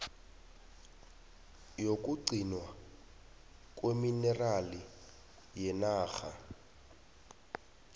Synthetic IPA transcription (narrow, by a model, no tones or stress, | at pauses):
jokʼuǀinwa | kʼweminɛrali | jɛnaːɣa̰